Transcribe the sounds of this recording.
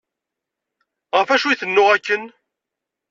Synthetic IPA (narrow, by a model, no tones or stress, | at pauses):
ʁəfæʃujθənːʊʁækːən